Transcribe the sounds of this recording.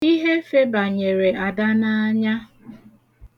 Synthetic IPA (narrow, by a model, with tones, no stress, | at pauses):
i˦ɦe˦fe˦ba˨ɲe˨ɾe˨a˨da˦na˦a˦ɲa˦